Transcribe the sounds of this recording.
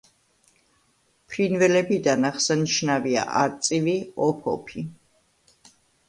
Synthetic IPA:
pʰɾinvɛlɛbid̪anaχsaniʃnavia̰ʔaɾt̪sʼiviɔpʰɔ̰pʰi

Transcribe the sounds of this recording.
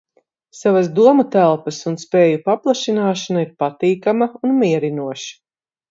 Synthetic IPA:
savasd̪uɔmut̪ælˠpɐsunspɛːjupaplˠaʃinaːʃanaiɾpat̪iːkamɐunmiɛɾinuɔʃi̥

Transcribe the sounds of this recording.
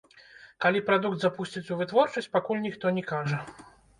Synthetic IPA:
kalʲipɾad̪ukd̪zapusʲt͡sʲit͡sʲuvɨt̪vɔrt͡ʂɐsʲt͡sʲpakulʲnʲixt̪ɔnʲɛkaʐɐ

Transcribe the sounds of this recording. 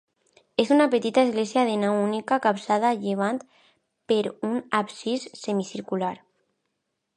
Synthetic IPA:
esunapet̪it̪aezɣlesjaðenawunikakapsaðaʎeβ̞ant̪ | peɾunapsisːemisiɾkulaɾ

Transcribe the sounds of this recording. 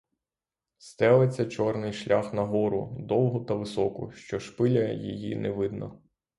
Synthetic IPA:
st̪ɛlˠet͡sʲːɐt͡ʃɔrnɪjʃlʲaxnɐɦɔɾʊ̰d̪ɔlˠɦʊt̪ɐʋɪsɔkʊ̰ʃt͡ʃɔʃpɪlʲɐjḭjḭnɛʋɪd̪nɔ̰

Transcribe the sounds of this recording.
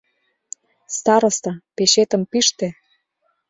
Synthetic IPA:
st̪ɑɾŏst̪ɑpeɕet̪ə̆mpiʃt̪ĕ

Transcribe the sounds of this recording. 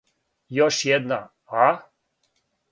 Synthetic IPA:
jɔʃjɛd̪na̰ | a

